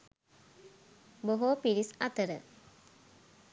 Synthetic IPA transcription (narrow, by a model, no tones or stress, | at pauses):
boɦopiɾisat̪əɾə